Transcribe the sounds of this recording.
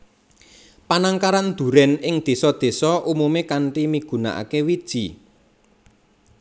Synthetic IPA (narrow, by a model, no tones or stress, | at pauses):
panaŋkaɾand̪̥ṳɾɛnɪŋd̪̥e̤sɔd̪̥e̤sɔʔumumekaɳʈimiɡ̥ṳna̰ʔa̰kewid̥ʒ̥i̤